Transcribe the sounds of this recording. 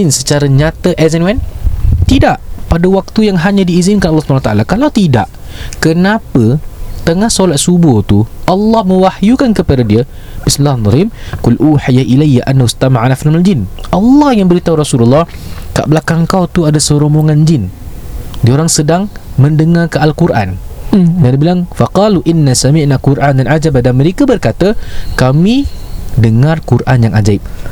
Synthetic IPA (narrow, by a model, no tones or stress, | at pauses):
ɪnsət͡ʃaɾaɲãt̪əʔɛzɛnwɛnt̪idaʔpadawak̚t̪ujaŋɦaɲãdiːzinkanɑlːɑsupanawat̪aʔalakalawt̪idaʔ | kənapət̪əŋahsolat̪̚subʊt̪uʔɑlːɑhmə̃wahjukankəpeɾadiə | b̥ismilːahd̪ˤɑlimkʊlʔuːħijaʔilajːaʔanːahust̪amaʕanaflamald͡ʒɪnʔɑlːɑhjaŋbəɾit̪awɾɑsululːɑhka̰ʔblakaŋkawt̪uadasəɾomoŋand͡ʒɪn | dioɾaŋsədaŋmə̃ndəŋarkaʔalkuɾʔa̰ndandibilaŋfaqɑluʔinːasamiʔnakuɾʔandanʔad͡ʒabadanmə̃ɾekabərkat̪akamidəŋarkurʔanjaŋʔad͡ʒaɪp̚